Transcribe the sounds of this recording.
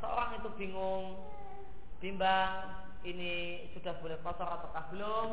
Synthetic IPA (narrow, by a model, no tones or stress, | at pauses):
səo̰ɾaŋit̪ub̥i̤ŋʊŋ | b̥imbaŋ | ini | sud̥a̤hb̥olɛhpɔsɔɾat̪akahb̥əlʊm